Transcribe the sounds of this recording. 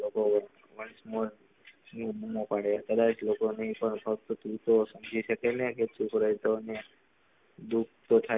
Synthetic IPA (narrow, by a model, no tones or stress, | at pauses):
oko | ʋəɳsmol | nbumopaɽet̪əd̪at͡ʃlokonəɦĩpəɳpʰək̚t̪ot̪ut̪osəmd͡ʒʱiʃəkeneket͡ʃukɾəjt̪one | d̪uk̚ʰt̪ot̪ʰa